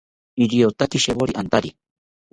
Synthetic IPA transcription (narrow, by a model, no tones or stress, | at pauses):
iɾiot̪at̪iʃeβoɾiʔant̪aɾi